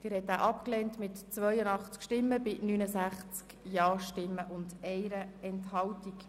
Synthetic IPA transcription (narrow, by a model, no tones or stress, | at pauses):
d̥̪ɪːɾhɛtːaːʔɑpklɛːntmɪtt͡sʋœjənɑχt͡skʃtɪmːəbɪnyːnəsæχt͡skjɑːʃtɪmːəʔʊndɛɪɾəɛnthɑltik